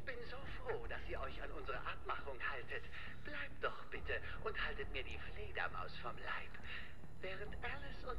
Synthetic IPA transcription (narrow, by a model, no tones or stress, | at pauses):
ɪçb̥ɪnzoːfʁ̥oːd̥asiːɐʔɔʏçanʔʊnzəʁə̰ʔap̚maχʊŋhaltʰət | b̥laɪp̚t̚d̥ɔχb̥ɪtə | ʔʊnthaltətmiːɐdiːfleːdɐ̰ma̰ʊsfɔmla̰ɪp | vɛːʁ̞əntʔalɪsʊn